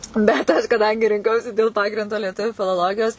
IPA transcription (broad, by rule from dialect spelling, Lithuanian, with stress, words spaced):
bʲɛt ˈɐʃ kɐˈdɐŋʲɡʲɪ rʲɪŋˈkɐʊsʲɪ dʲeːlˠ ˈpɑːɡrʲɪndoː lʲiɛˈtʊʋʲʊ fʲɪlˠoːˈlˠoːɡʲɪjoːs